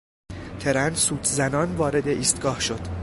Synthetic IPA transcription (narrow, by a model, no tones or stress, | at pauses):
t̪ʰe̞ɾænsuːt̪ʰzænɒːnvɒːɾe̞d̪e̞ʔiːst̪ɡ̥ɒːhʃo̞d̪̥